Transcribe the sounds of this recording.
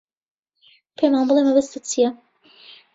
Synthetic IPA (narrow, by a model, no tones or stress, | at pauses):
pʰemaːnbɨlˠemɐbɐst̪ɨt͡sijɛ